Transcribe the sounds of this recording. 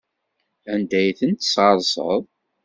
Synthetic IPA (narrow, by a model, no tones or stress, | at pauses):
ænd̪æjθənt̪sɑɾˤsˤə̰ðˤ